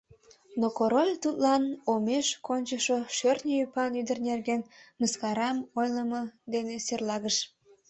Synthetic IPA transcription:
nokoɾolʲt̪ut̪lɑnomeʃkonʲt͡ɕəʃoʃørt̪nʲəjypɑnyd̪ərnerɡenməskɑɾɑmojləməd̪eneserlɑɣəʃ

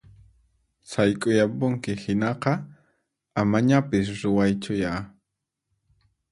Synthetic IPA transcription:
sajkʼʊjapʊŋkɪhɪnɑqɑ | amaɲapɪs̬ɾʊwajt͡ʃʊjaː

